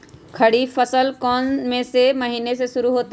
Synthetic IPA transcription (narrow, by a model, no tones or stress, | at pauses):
kʰɐɽifəsəlkɔːnmẽsemɐɦiːnes̬eʃʊɾuɦoːt̪a